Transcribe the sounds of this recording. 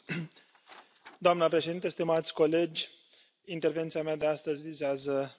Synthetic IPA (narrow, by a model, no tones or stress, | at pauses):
d̪oamnəpɾe̞ʃe̞d̪int̪eəst̪imat̪sʲko̞le̞d͡ʒʲ | int̪e̞rve̞nt̪siamead̪east̪əzʲvizeazə